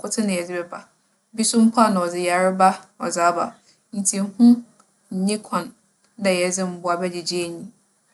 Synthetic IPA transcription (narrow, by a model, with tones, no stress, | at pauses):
kʰʊ˦tʰɪ˦nɪ̃˨ɛ˨d͡zɪ˦bɛ˦bʰa˨ | bi˦sʊ̃˦m̩˦pʰa˦˨nã˨ɔ˨d͡zɪ˨ja˨ɾɪ˦ba˦ɔ˨d͡za˨˦ba̰˨ | n̩˨tʰi˨˦hũ˦ | ɲ̩˨ɲĩ˦kʰɔ̃˨n˦ | dɛ˨jɛ˨d͡zɪ˦m̩˦bʊ˦a˨bɛ˦d͡ʑɪ˨d͡ʑi˦e˦ɲĩ˦